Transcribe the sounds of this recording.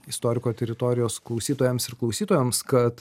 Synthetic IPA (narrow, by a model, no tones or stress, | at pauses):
ɪst̪oːɾʲɪkoːt̪ʲɛɾʲɪt̪oːɾʲɪjoːsklˠɒʊsʲiːt̪oːjɛmsɪɾklˠɒʊsʲiːt̪oːjɛmskɐt̪